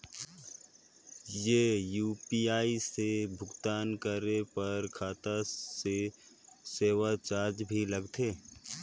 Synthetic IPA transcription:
jejuːpiaːisebʱʊɡt̪aːnkəɾepəɾkʰaːt̪ase | seːʋat͡ʃaːɾd͡ʒbʱiləɡt̪ʰeː

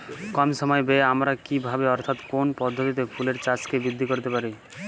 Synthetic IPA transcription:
kɔmʃɔmɔebeamɾakibʱabeɔɾt̪ʰat̪konpɔd̪ʱːot̪it̪̬epʰuleɾt͡ɕat͡ɕkebɾid̪ʱːikoɾt̪epaɾi

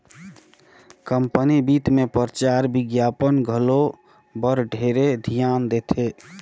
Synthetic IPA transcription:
kəmpənibiːt̪mẽpəɾət͡ʃaːɾbɪɡjaːpənɡʱəlo | bəɾɖʱeːɾed̪ʱijaːnd̪eːt̪ʰeː

